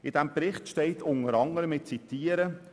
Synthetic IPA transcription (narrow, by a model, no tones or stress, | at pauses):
ɪd̥ɛmpɾɪχtʃtɛɪtʰʊŋəɾɑŋəɾəmɪt̚t͡sitiːəɾə